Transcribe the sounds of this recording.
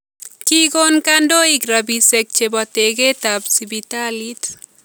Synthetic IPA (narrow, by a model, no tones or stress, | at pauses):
kikonkandoikrabisɛk̚t͡ʃebateketapsibitalit̪